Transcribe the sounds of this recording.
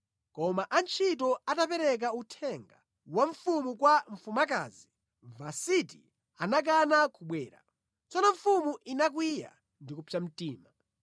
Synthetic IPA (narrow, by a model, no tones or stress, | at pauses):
kɔmaʔant͡ʃʰitɔatapɛɾɛk̬autʰɛŋɡa | waɱ̩fumukwaɱ̩fumaka̰zi | vasitḭ | anak̬anakuɓwɛːɾa̰ | t͡sɔnɔɱ̩fumuʔinak̬wija̰ | ndikupʰam̩tiːma